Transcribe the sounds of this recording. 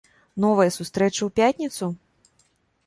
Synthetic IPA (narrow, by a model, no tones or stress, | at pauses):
nɔvɐjɐsust̪ɾɛt͡ʂɐwpʲat̪ʲnʲit̪su